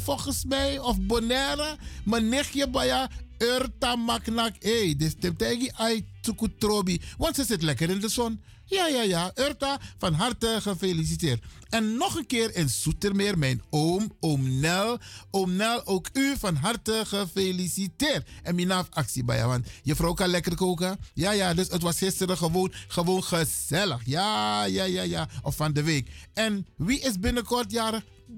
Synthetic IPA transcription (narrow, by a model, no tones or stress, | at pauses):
fɔlxəsmɛjɔfbonɛɾamənɪxjəbajaørtamaknakejdəstɛmp̚tɛjɡiʔajtːukutroːbiʋɑntsəsɪtlɛkəɾɪndəsɔn | jaːjaːjaʔørtafɑnɦartəxəfelis̬iteːrt | ɛnːɔχənkɪːɾənsutərmɪːrmɛjnoːmomnɛlomnɛloːkyfɑnɦɑrtəχəfelisitɪːrtɛnminaːfɑksibɛ̰ja̰ʋɑntjəfrɔwkalɛkərkoːkajaːjaːdɵsətʋɑsxɪstəɾəχəʋoːnxəʋoːnχəz̥ɛləxjaːjaːjaːjaːɔfːɑndəʋekɛnʋiʔɪs̬bɪnəkɔrtjaːɾə